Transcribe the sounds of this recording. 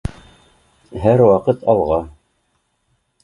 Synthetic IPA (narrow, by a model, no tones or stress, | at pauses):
ɦæɾwɑqɤt̪ʰɑlˠʁɑ